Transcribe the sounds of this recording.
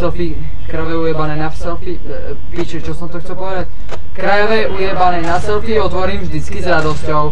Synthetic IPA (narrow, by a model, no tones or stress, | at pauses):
sɛlpi | kɾajɔʋɛujɛbanɛːnafsɛlpi | piːʃɛt͡ʃɔsɔmt̪ɔxt͡sɛlpɔʋɛd̪ac | kɾajɔʋɛujɛbanɛːnafsɛlpiɔt̪ʋɔɾiːmvʒd̪it͡skizɾad̪ɔscɔʊ